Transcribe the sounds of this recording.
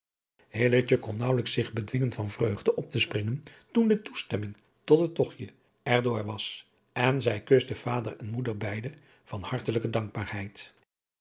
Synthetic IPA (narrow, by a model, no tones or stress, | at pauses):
hɪlət͡ʃəkɔnːɑwləksɪχbədʋɪŋəntfɑnvrøɥχdəʔɔp̚təsprɪŋəntundətustɛmɪŋ | tɔtətɔχjə | ɛɹdʊːɹʋɑs | ɛnzɛjkøsdəv̥aːdərɛnmudəɹbɛjdə | v̥ɑnhɑɹtələkədɑŋɡ̚baːɹhɛjt